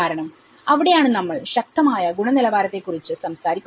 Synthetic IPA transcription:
aːɾɐɳɐm | ɐʋiɽe̞jaːɳɨnɐmːɐɭɕɐk̚t̪ɐmaːjɐɡuɳɐnilɐʋaːɾɐt̪ːe̞kːurit͡ɕːɨsɐmsaːɾikʲːu

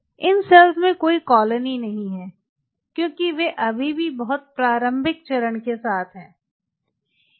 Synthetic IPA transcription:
ɪnsɛlzmẽkoːikɔːləninɐɦĩɦɛː | kjõːkiʋeʔɐbʱibʱibɐɦʊt̪̚pɾaːɾə̃mbʱɪk̚t͡ʃɐɾəɳkesaːt̪ʰɦɛ̃ː

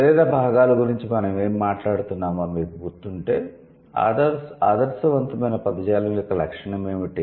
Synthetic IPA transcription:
ɐɾeːd̪ɐbʱaːɡaːlɐɡuɾiɲt͡ʃimɐnɐme̞ːmːaːʈlaːɽut̪unːaːmɐmiːɾbʱuːɾt̪uɳʈe̞ː | a̰ːd̪ɐɾsaːd̪ɐɾsɐʋɐnt̪ɐmɐjnɐpɐd̪ɐd͡ʒaːlɐjɔkːɐlɐkʂɐɳɐmeːmiʈi

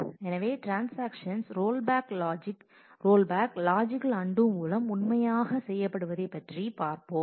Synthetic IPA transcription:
ɛnɐʋeːʈɾaːnsaːkʂɐnsɾoːlbaːklːd͡ʒɪk | ɾoːlbaːklaːd͡ʒɪkɐlɐɳɖɯmuːlɐmʊnmɐjaːɣɐsɛjːɐpːɐɽɯʋɐðɐɪpːɐʈripaːɾpoːm

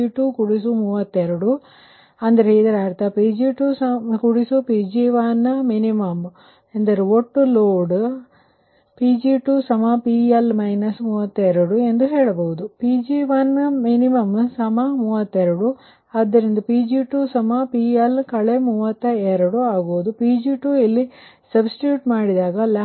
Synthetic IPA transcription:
iʈukuɽis̬umuːʋɐt̪ːeɾɐɽu | ɐnd̪ɐɾid̪ɐɾaːɾt̪ɐpiːd͡ʒiʈuːsɐkuɽisupiːd͡ʒiːʋanɐminimɐm | end̪ɐɾiɔʈːuloːɽ | piːd͡ʒiːʈuːsɐmapiːɐlmɐɪnɐsmuːʋɐt̪ːeɾuɽue̞nd̪uɦeːɭɐbɐɦud̪upiːd͡ʒiːʋanːɐminimɐmsɐmɐmuːʋɐt̪ːɛɾɐɽu | aːd̪ːɐɾind̪ɐpiːd͡ʒiʈuːsɐmapiːɐlkɐɭemuːʋɐt̪ːɐɛɾɐɽuaːɡoːud̪upiːd͡ʒiːʈuːilːi | sɐbsʈuːʈmaːɽid̪aːɡɐla

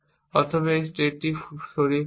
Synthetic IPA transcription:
ɔt̪ʰobaesʈeʈ̚ːiʃoɾi

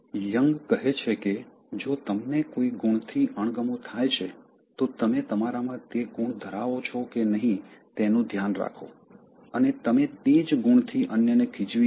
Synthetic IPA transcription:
jəŋɡkəɦet͡ʃʰeke | d͡ʒot̪əmnekoiɡuɳ̃t̪ʰiəɳ̃ɡəmõt̪ʰajt͡ʃʰe | t̪ot̪əmet̪əmaɾamãt̪eɡuɳ̃d̪ʱəɾaʋot͡ʃʰɔkenəɦĩt̪enũd̪ʱjanɾa̰kʰo̰ | ənet̪əmet̪ed͡ʒɡuɳ̃t̪ʰiʔənjənekʰid͡ʒʋi

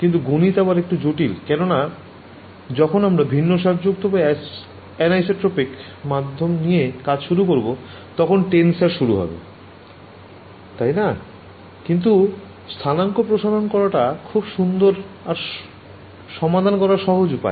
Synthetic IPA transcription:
kint̪uɡonit̪abaɾek̚ʈud͡ʑoʈilkɛnona | d͡ʑɔkʰonamɾabʱinːoʃaɾd͡ʑoɡ̚t̪ʰobe | ɛnajseʈːɾopik | mad̪ʱːomnijekad͡ʑʃuɾukoɾbo | t̪ɔkʰonʈensaɾʃuɾuɦɔ̰bḛ | t̪ajna | kint̪u | st̪ʰanaŋkopɾoʃaɾonkɔɾaʈakʰubʃund̪oɾ | aɾ | ʃɔmad̪ʱankɔɾaɾʃɔɦod͡ʑupa̰e

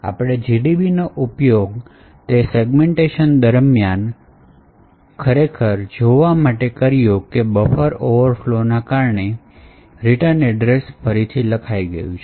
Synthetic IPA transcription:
a̰pɽ̃ed͡ʒiɖibinoʔupjoɡ | t̪eseɡmeɳʈeʃənd̪əɾmjan | kʰəɾekʰəɾd͡ʒoʋamaʈekəɾijokebəfəɾoʋəɾflonakaɾɳe | ɾiʈəɾnɛɖɾesfəɾit̪ʰiləkʰaiɡə̰jũt͡ʃʰe

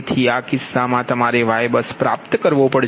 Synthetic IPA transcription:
t̪ʰiakɪsːamãt̪əmaɾeʋajbəspɾap̚t̪kəɾʋõpəɽ

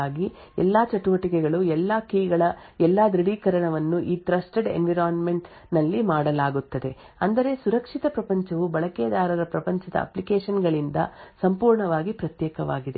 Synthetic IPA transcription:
aːɡi | ɛ̰lːaːt͡ʃɐʈuʋɐʈikɛɡɐɭuɛlːaːkiːɡɐɭɐɛlːaːd̪ɾiɽiːkɐɾɐɳɐʋɐnːuʔiːt̪ɾɐsʈeɖḛnʋiɾaːnmeɳʈ | nɐlːimaːɽɐlaːɡut̪ːɐd̪e̞ | ɐnd̪ɐɾe̞suɾɐkʂit̪ɐpɾɐpɐɲt͡ʃɐʋubɐɭɐkɛjɐd̪aːɾɐɾɐpɾɐpɐɲt͡ʃɐd̪ɐ̰ɐ̰plikeːʂɐnɡɐɭind̪ɐ̰sɐmpuːɾɳɐʋaːɡipɾɐt̪jɛːkɐʋa̰ːɡid̪e

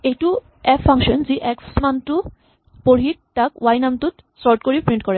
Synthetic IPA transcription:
ejʈu | ɛaŋʃɔnd͡ʑiʔɛksmantu | poɽ̤iɾ̚ʈakwajnamt̪ut̪ | sɔɾʈkoɾipɾiɳʈ̚kɔɾe

